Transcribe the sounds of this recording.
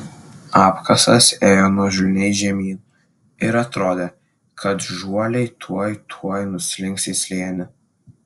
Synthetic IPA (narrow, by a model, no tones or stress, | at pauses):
ɑːpkɐsɐseːjoːnuɔʒʊlʲnʲɛɪʒʲɛmʲiːn | ɪɾɐt̪ɾoːd̪ʲe | kʰɐt̪ʒuɔlʲɛɪt̪ʰuɔjt̪ʰuɔjnʊsʲlʲɪŋksʲɪsʲlʲeːnʲɪ